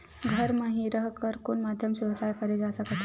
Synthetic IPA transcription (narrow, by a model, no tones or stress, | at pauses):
ɡʱəɾməɦiɾəɦkəɾkoːɳmad̪ʱjəmɕiʋsajkəɾed͡zasakət̪ʰ